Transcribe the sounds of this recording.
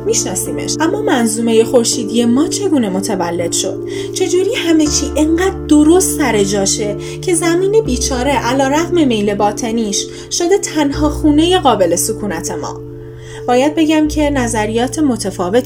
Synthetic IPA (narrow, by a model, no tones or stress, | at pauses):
miʃnɒːsiːmḛʃʔæmːɒːmænzuːme̞je̞xo̞ɾʃiːd̪ije̞mɒːt͡ʃʰe̞ɡuːne̞mo̞t̪ʰævælːe̞d̪̥ʃo̞̰d̪̥ | t͡ʃʰe̞d͡ʒuːɾiːhæme̞t͡ʃʰiːʔeɴɢæːd̪̚d̪o̞ɾost̪sæɾe̞d͡ʒɒːʃe̞ | cʰe̞zæmiːne̞biːt͡ʃʰɒːɾe̞ʔælɒːɾæɣme̞me̞jle̞bɒːt̪ʰe̞niːʃ | ʃod̪e̞t̪ʰænɦɒːxuːne̞je̞ɣɒːbe̞le̞sukʰuːnæt̪ʰe̞mɒ̰ː | b̥ɒːjæd̪̚be̞ɟæmcʰe̞næzæɾijɒːt̪ʰemo̞t̪ʰefɒːve̞t̪